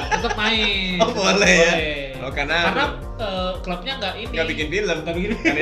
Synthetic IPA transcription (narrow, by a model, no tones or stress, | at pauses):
t̪ət̪əp̚naɪopolɛja | okanakara | əːkləp̚ɲaŋɡaʔiniŋɡabikɪnfilənŋɡabikɪnan